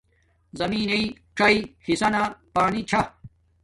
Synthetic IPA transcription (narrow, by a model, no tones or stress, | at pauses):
zɐmiːnei | ʈ͡ʂɐihisɐnapaːnit͡ɕʰɐ